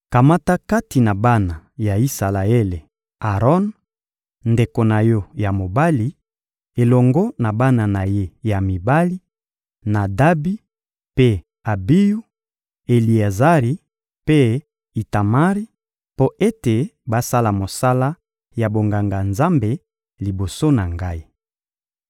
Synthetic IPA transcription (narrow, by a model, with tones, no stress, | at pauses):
ka˨ma˦ta˦ka˦ti˨na˨ba˦na˨ja˨i˦sa˨la˨e˦le˨ | a˨ʁɔ˦n | nde˨ko˨na˨jɔ˦ja˨mo˨ba˦li˨ | e˨lɔ˨ŋɡɔ˦na˨ba˦na˨na˨je˦ja˨mi˨ba˦li˦ | na˨da˦bi˦ | pe˦ | a˨bi˦ju˦ | e˨li˨e˨za˦ʁi˨ | pe˦ | i˨ta˨ma˦ʁi˦ | po˦ʔe˦te˨ba˦sa˦la˨mo˨sa˦la˦ | ja˨bo˨ŋɡa˨ŋɡa˨nza˦mbe˨ | li˨bo˨so˦na˨ŋɡa˦i˦